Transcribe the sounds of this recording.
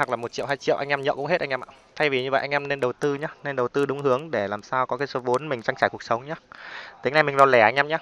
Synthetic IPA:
ha˨˩klaː˨˩mo˨˩t̚t͡ɕḭ˧˨haː˧jt͡ɕḭ˧˨ʔa̰˧jŋʔɛ˧mɲə̰ː˧˨kʊ̰˧˥ŋ͡mhe˦˥t̚ʔa˧ŋʔɛ˧mʔaː˧˨˩t̪ʰa˧jvi˨˩ɲɨ˧ə̰˧˨jʔa˧ŋ̟ʔɛ˧mne˧nɗə˨˩wt̪ɨ˧ɲa˨˦ne˧nɗə˨˩wt̪ɨ˧ɗʊ˨˦ŋ͡mhɨ˨˦əŋɗe˧˩laː˨˩msaː˧wkɔ˨˦kaː˨˦jso˨˦vo˨˦nmï˨˩ŋ̟t͡ɕaː˧ŋt͡ɕaː˧˩jku˨˩ək̚sə˨˦wŋ͡mɲa˨˦t̪ï˨˦ŋna˧jmi˨˩ŋ̟zɔ˨˧lɛ˧˩ʔa˧jŋ̟ʔɛ˧mɲa˨˧˦

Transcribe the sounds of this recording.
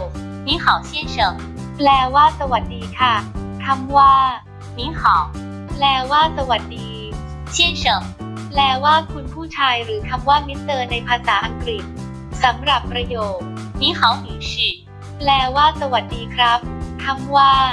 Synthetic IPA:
ni˦˥xʰɔː˩˦wt͡ɕʰi˦˥˩t͡ɕʰɤ˧˩˦ŋ | plɛː˧waː˥˩sa˧wa˨˩t̪̚diː˧kʰa˥˩t̪ʰa˧mwaː˥˩ | niː˦˥xʰɔː˩˦w | plɛː˧waː˥˩sa˧wa˨˩t̪̚diː˧ | t͡ɕʰi˥˩ət͡ɕʰɤ˧˩˦ŋ | plɛː˧waː˥˩kʰu˧npʰuː˥˩t͡ɕʰaː˧jɾɯː˩˦t̪ʰa˧mwaː˥˩mi˦˥t̪ːɤː˧na˧jpʰaː˧saː˩˦ʔa˧ŋkɾi˨˩t̪̚ | sa˩˦mɾa˨˩pːɾa˧joː˨˩k̚ | niː˦˥xʰɔː˩˦wmiː˨˦si˨˩t̚ | plɛː˧waː˥˩sa˧wa˨˩t̪̚diː˧kʰɾa˦˥p̚t̪ʰa˧mwaː˥˩

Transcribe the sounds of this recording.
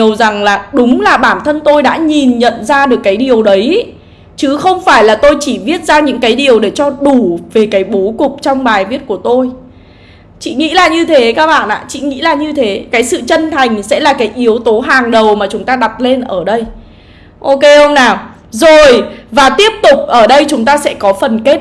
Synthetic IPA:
ə˩wza˨˩ŋlaː˨˩ɗʊ˨˦ŋ͡mlaː˨˩ɓaː˧˩mnt̪ʰə˧nt̪o˧jɗa̰ː˧˥ɲi˨˩nɲə̰˧˨nzaː˧ɗɨ˨˩əkːaː˨˦jɗi˨˩əwɗə˨˦j | t͡ɕɨ˨˦xə˧wŋ͡mfaː˧˩jlaː˨˩t̪o˧jt͡ɕi˧˩vi˦˥ət̚zaː˧ɲɨ̰˧˥ŋkaː˨˦jɗi˨˩əwɗe˧˩t͡ɕɔ˧ɗu˧˩ve˨˩kaː˨˦jɓo˨˦kʊ˨˩k͡p̚t͡ɕɔ˧wŋ͡mɓaː˨˩jvi˦˥ət̚ku˧˩ət̪o˧j | t͡ɕḭ˧˨ŋḭ˧˥laː˨˩ɲɨ˧t̪ʰe˨˦kaː˦˥k̚ɓa̰ː˧˨nʔa̰ː˧˨t͡ɕḭ˧˨ŋḭ˧˥laː˨˩ɲɨ˧t̪ʰe˨˦kaː˨˦jsɨ̰˧˨t͡ɕə˧nt̪ʰa˨˩jŋ̟sɛ̰˧˥laː˨˩kaː˨˦jʔi˨˦əwt̪o˨˦ɦaː˨˩ŋɗə˨˩wmaː˨˩t͡ɕʊ˨˦ŋ͡mt̪aː˧ɗa˨˩p̚le˧nʔəː˧˩ɗə˧j | ʔo˧ke˧hə˧wŋ͡mnaː˨˩w | zo˨˩jvaː˨˩t̪i˦˥əp̚t̪ʊ˨˩k͡p̚ʔəː˧˩ɗə˧jt͡ɕʊ˨˦ŋ͡mt̪aː˧sɛ̰˧˥kɔ˨˦fə˨˩nke˦˥t̚

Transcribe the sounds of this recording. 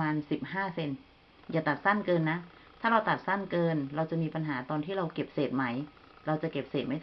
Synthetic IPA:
aː˧nsi˨˩p̚haː˥˩se˧n | jaː˨˩t̪a˨˩t̪̚sa˥˩nkɤː˧nːa˦˥ | t̪ʰaː˥˩ɾa˧wt̪a˨˩t̪̚sa˥˩nkɤː˧nɾa˧wt͡ɕa˨˩miː˧pa˧nɦaː˩˦t̪ɔː˧nt̪ʰiː˥˩ɾa˧wke˨˩p̚seː˨˩t̪̚ma˦˥j | ɾa˧wt͡ɕa˨˩ke˨˩p̚seː˨˩ma˦˥jʰ

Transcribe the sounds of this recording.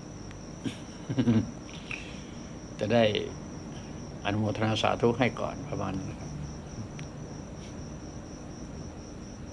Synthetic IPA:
t͡ɕɛ˨˩da˥˩j | ʔa˧nu˧moː˧t̪ʰːa˧naː˧sa̰ː˨˦˥t̪ʰu˦˥˩k̚ɦa˥˩jkɔ̰ː˨˩npʰa˧ma˧˥nːa˧˩kʰa˦˥p̚

